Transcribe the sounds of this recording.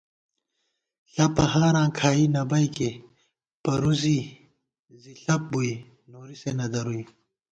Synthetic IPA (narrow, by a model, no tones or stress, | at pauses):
ɬɐpɐɦaːɾãːkʰaːinɐbɐjke | pɐɾuzi | ziɬɐp̚bui | noːɾisenɐd̪ɐɾui